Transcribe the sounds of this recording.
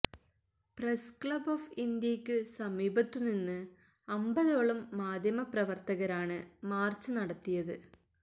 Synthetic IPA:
preskɭɐbofind̪jɐkʲːɨsɐmiːbɐt̪ːuninːɨ | ɐmbɐðoːɭɐmːaːd̪ʱjɐmɐprɐʋɐrt̪ɐɣɐɾaːɳɨmaːrt͡ɕːɨnɐɽɐt̪ːijɐðɨ

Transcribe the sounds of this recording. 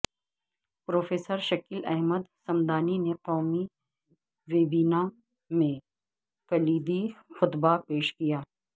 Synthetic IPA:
pɾoːfeːsəɾʃɐkiːlɛɦməd̪sɐmd̪aːnineqɔːmi | ʋeːbiːnã | mẽ | pɐliːd̪ixʊd̪bapeːʃkijaː

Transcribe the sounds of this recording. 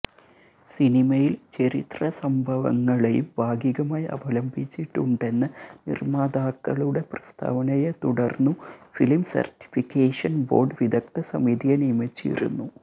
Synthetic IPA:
sinimɐjilt͡ɕɐɾit̪rɐsɐmbʱɐʋɐ̰ŋːɐɭejṵmbʱaːɡiɣɐmaːjɐ̰bɐlɐmbʱit͡ɕːiʈːuɳɖe̞nːɨnḭrmaːd̪aːkːɐɭuɽe̞prɐst̪ʰa̰ːʋɐnɐjet̪uɽɐrnːufilmsɐ̰rʈi̥fikːeːʂɐnbo̞̰ːrɖʋid̪ʱɐk̚t̪ɐsɐmid̪ijɐnimɐt͡ɕːḭɾṵnːu

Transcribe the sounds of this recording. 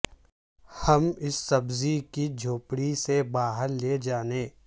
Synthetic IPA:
hɐmɪsːɐbzikid͡ʒʱoːpɽisebaːɦəɾled͡ʒaːnẽː

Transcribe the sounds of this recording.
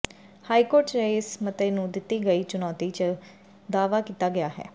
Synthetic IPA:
haːikoːɾʈeɪsmət̪eːnũːd̪ɪt̪ːiːɡəiːt͡ʃʊnɔːt̪iːt͡ʃə | d̪aːʋaːkiːt̪aːɡɪjaːɦɛ̰ː

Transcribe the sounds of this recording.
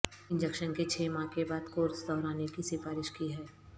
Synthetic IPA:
ɪ̃nd͡ʒəkʃənket͡ʃʰeːmãkebaːd̪koːɾsd̪ɔːɾaːnekisɪfaːɾɪʃkiɦɛː

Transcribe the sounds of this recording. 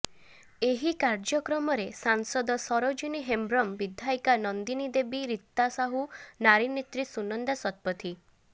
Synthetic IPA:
eɦikaɾd͡ʒɔkɾɔmɔɾesansɔd̪ɔsɔɾɔd͡ʒuniɦembɾɔmbid̪ʱajkanɔnd̪inid̪ebiɾit̪ːasaɦunaɾinet̪ɾisunɔnd̪asɔt̪̚pɔt̪ʰi

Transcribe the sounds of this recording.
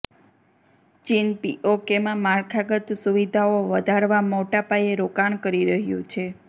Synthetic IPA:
t͡ʃinpiʔokemãmaɾkʰaɡət̪suʋid̪ʱaoʋəd̪ʱaɾʋamoʈapajeɾokaɳkəɾiɾəɦjṵ̃t͡ʃʰe

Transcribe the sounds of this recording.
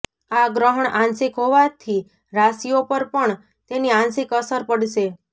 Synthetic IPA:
aɡɾəɦəɳãnsɪkɦoʋat̪ʰi | ɾasiopəɾpəɳ | t̪eniãnsɪkəsəɾpəɽʃe

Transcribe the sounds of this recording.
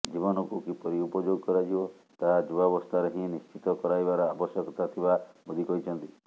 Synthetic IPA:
d͡ʒibɔnɔkukipɔɾiupɔd͡ʒoɡkɔɾad͡ʒiɔ | t̪ad͡ʒuabɔst̪ʰaɾɔɦĩnist͡ʃit̪ɔkɔɾajbaɾɔabɔsjɔkɔt̪at̪ʰibabɔd̪ʱikɔɦit͡ʃʰɔnt̪i

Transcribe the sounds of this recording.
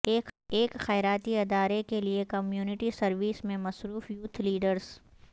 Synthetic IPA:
eːkxɛːɪɾaːt̪iɪd̪aːɾekeliekɐmjuːnɪʈisɐɾʋiːsmẽmɐsɾuːfjuːt̪ʰliːɖəɾz̥

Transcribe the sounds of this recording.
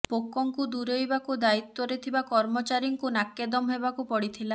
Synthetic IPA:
pokɔŋkud̪uɾejbakud̪ait̪ːwɔɾet̪ʰibakɔɾmɔt͡ʃaɾiŋkunakːed̪ɔmɦebakupɔɽit̪ʰila

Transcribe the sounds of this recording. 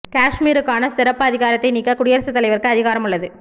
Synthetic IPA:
kaːʂmiːɾɯkːaːnɐsɪɾɐpːɯɐðɪɣaːɾɐt̪ːɐɪniːkːɐkʊɽɪjɐɾɐsɐt̪ːɐlɐɪʋɐrkɯɐðɪɣaːɾɐmʊɭːɐðɯ

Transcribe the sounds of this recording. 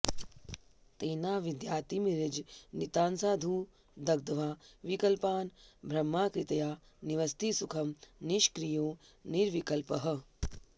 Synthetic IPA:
t̪eːnaːʋid̪jaːt̪imiɾɪd͡ʒnit̪aːnsaːd̪ʱuː | d̪ɐɡ̚d̪ɐʋaːʋikɐlpaːnbʱɾɐmːaːkɾɪt̪ɐjaː | niʋɐst̪isukʰɐmniʃkɾijoːniɾʋikɐlpɐɦɐ̆

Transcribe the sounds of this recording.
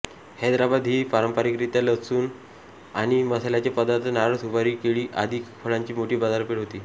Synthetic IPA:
hed̪ɾabad̪ʱɦiːpaɾəmpəɾikɾit̪jaləsuːn | a̰ɽ̃iməsalat͡ɕapəd̪aɾt̪naɾəsubaɾiːkeɭiːʔad̪ʱikfəɭaɲt͡ɕiːmoʈiːbad͡zaɾpeɽ̤ɦot̪iː

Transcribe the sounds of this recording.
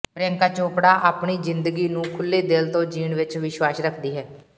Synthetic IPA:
pɾeəŋkaːt͡ʃoːpɽaːʔaːpɳiːzɪnd̪əɡiːnũːkʰʊlːeːd̪ɪlt̪õːd͡ʒiːɳʋɪt͡ʃʋɪʃwaːsɾəkʰd̪iːɦɛː

